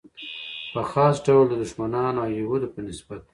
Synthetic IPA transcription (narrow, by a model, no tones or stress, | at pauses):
pəxɑsɖawld̪əd̪ʊʃmanɑnajewod̪opənɪsbat̪̚